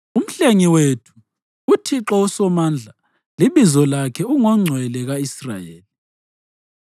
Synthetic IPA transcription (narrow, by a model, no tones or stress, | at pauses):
um̩ɬeŋiwetʰu̥ | utʰiǁɔusɔmand͡ɮʱa | liβizɔlakʰɛuŋɔŋ͡ǀʱwɛlɛɣaisra̰jḛːli